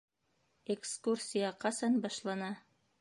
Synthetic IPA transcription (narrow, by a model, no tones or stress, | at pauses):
ekskursʲijɑqɑsɑnbɑʃlˠɑnɑ